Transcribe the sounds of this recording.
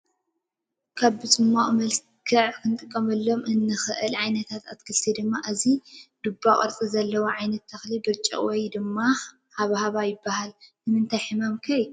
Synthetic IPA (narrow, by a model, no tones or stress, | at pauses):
kʰaβbɨt͡sʼɨmːaʔʼmɐls | kʰɨʕkʰɨnt̪ʼɨkʼːɐmɐlːo̞mʔɨnːɨxɨʔɨlʕajnɐt̪ʰat̪at̪̚kʰɨlsʰed̪ɨmːaʔɨzid̪ubːakʼɐ̰ɾt͡sʼizɐlːɐwoʕajnɐt̪ʰːɐxlibɨɾt͡ʃʼɐ̰wɔjd̪ɨmːa | haβhaβajɪbːahalnɨmɨnt̪ʰajħɨmamkʰɐj